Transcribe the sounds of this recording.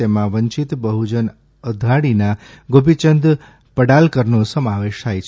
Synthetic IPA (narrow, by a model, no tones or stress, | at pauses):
emãʋəɲt͡ʃit̪bəɦud͡ʒən | əd̪ʱaɽina | ɡopit͡ʃənd̪ | pəɽalkəɾnosəmaʋeʃt̪ʰajt͡ʃʰ